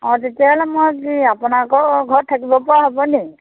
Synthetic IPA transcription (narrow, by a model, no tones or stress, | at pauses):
ɔ̃tetijalɛmɔjkiapɔnakɔɡʱɔɹtʰakibɔpɔɹaɦɔbɔni